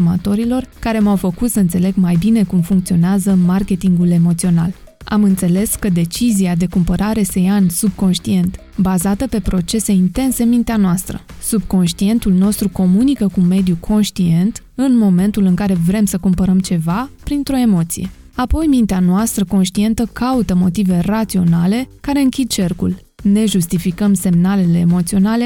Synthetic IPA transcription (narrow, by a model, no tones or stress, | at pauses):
umat̪o̞ɾilo̞rkaɾe̞mawfəkut̪səɨnt̪se̞le̞ɡmajbine̞kumfuŋk̚t̪sio̞neazəmarkʲe̞t̪iŋɡule̞mo̞t̪sio̞na̰l | a̰mɨnt̪se̞le̞skəd̪e̞t͡ʃiziad̪e̞kumpəɾaɾe̞se̞jaɨnsub̚ko̞nʃt̪ie̞nt̪ | bazat̪əpe̞pɾo̞t͡ʃe̞se̞int̪e̞nse̞nmint̪eanoast̪ɾə̰sub̚ko̞nʃt̪ie̞nt̪ulno̞st̪ɾuko̞munikəkume̞d̪jukʰo̞nʃt̪ie̞nt̪ | ɨnmo̞me̞nt̪ulɨŋkaɾe̞vɾe̞msəkumpəɾəmt͡ʃe̞vapɾint̪ɾo̞e̞mo̞t̪sije̞ | apo̞jmint̪eanoast̪ɾəko̞nʃt̪ie̞nt̪əkaut̪əmo̞t̪ive̞rat̪sio̞nale̞kaɾe̞ɨŋkʲid̪̚t͡ʃe̞rkul | ne̞ʒust̪ifikəmse̞mnale̞le̞ːmo̞t̪sio̞nale̞